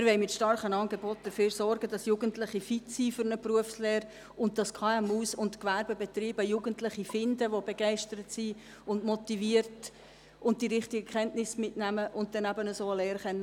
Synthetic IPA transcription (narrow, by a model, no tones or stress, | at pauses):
ɪɾʋɛɪmɪtʃtɑrχənɑnɡebɔt̚d̥əɾføːɾsɔrɡ̥ədɑsjuːɡəntlɪχifitsifʏɾnəpruəfsleːɾ | ʊntd̥ɑskʰɑɛmuːsʊntkʋærbebɛt̪riːbəjuːɡəntlɪχifɪndəʋobeɡɛɪʃtəɾətsi | ʊndmɔtiviəɾt | ʊntd̥iɾɪχtiɡəkʰχɛntnɪsmɪtnæməʔʊnt̚d̥ɛnæbənəsoːəlɛːɾχɛnːə